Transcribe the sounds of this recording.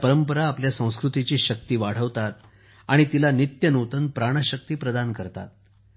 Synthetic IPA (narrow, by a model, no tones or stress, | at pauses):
pəɾəmpəɾaːpljasə̃w̃skɾut̪it͡ɕiːɕək̚t̪iːʋaɽ̤əʋt̪at̪̚ | aɽ̃it̪ilanit̪jənot̪ənpɾaɽ̃aɕək̚t̪iːpɾəd̪ankəɾt̪a̰t̪̚